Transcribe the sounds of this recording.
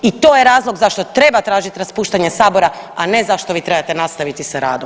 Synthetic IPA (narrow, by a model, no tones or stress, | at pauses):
it̪o̞jeɾaːzlˠoɡzaʃt̪o̞t̪ɾe̞bat̪ɾaːʒit̪ɾaspuːʃt̪aɲesaːbo̞ɾa | ane̞zaʃt̪o̞ʋiːt̪ɾe̞bat̪e̞nast̪aʋit̪isaɾa̰ːd̪o